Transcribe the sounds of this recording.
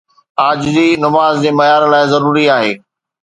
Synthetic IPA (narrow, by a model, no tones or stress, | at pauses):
aːd͡ʑd͡ʑiːnɐmaːzd͡ʑeːmɐjaːɾlaːɪzɐɾuːɾiaːɦeː